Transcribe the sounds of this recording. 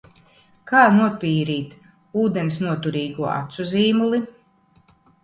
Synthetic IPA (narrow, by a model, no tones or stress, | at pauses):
kaːnuɔpiːɾiːt̪ | uːd̪ensnuɔt̪uɾiːɡuɔa̰t̪suziːmulˠi